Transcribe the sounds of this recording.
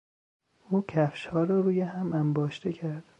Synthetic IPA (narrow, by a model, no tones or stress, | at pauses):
uːcʰæfʃhɒːɾɒːɾuːjeɦæmæmbɒːʃt̪ʰecʰæɾd̪̥